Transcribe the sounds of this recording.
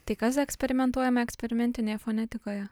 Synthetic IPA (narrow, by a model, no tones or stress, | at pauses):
t̪ɐɪkɐs̬ɛksʲpʲɛɾʲɪmʲɛnt̪uɔjɛmɐɛksʲpʲɛɾʲɪmʲɛnt̪ʲɪnʲeːjɛfonʲɛt̪ʲɪkoːjɛ